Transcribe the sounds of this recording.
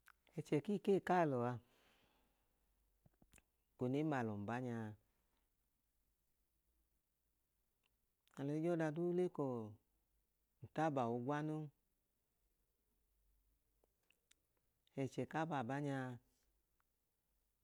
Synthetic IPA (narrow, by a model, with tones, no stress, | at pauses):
ɛ˨t͡ʃɛ˨ki˦˨keː˦˨ka˦˨lɔ˨a˧ | ko˨ne˦ma˧˨lɔ˨m̩˨ba˦ɲa˧ | a˨lɔ˨˦d͡ʒɔ˦da˧du˦le˦kɔ˧˨ | n̩˨ta˦ba˨wo˧ɡwa˦no˦ | ɛ˨t͡ʃɛ˨ka˦ba˧˨ba˦ɲa˧